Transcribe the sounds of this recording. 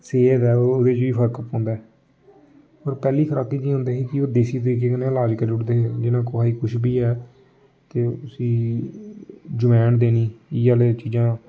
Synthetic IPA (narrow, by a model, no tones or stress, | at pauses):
seːd̪ɛːoːʊd̪eːt͡ʃʋiːpʰəɾkəpːõːnd̪aːɛ | əɾpɛːliːkʰəɾaːkiːd͡ʒĩːɦʊ̃nd̪eːɦiːkɪoːd̪eːsiːt̪̬əɾiːk̬eːkənẽːlaːd͡ʒkəɾd͡ʒʊʈd̪eːɦeːd͡ʒɪnãːkoaːiːkʊʃʰbiːɛː | t̪eːʊsiː | d͡ʒʊmɛːnd̪eːniːɪaːleːt͡ʃiːd͡ʒãː